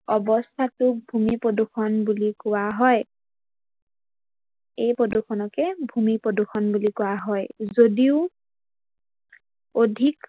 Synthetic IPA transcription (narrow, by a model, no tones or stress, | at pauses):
ɔbɔstʰatʊk̚bʱumipodukʰɔnbulikʊwaɦɔj | ejpɹodukʰɔnɔkɛbʱumipɹodukʰɔnbulikʊwaɦɔjzodiʊ | odʱik